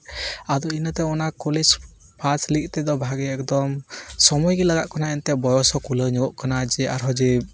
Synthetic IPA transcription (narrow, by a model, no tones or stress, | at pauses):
ad̪ɔinət̪ɛɔnakɔlid͡ʒ | pʰat͡ʃlik̚ˀt̪ɛd̪ɔbʱaɡɛɛkd̪ɔmsɔmɔjɡɛlaɡaʔ̪̚kɔnaɛnt̪ɛbɔjɔsɔkuləɲəɡɔʔkanad͡ʒɛaɾɦɔd͡ʒɛ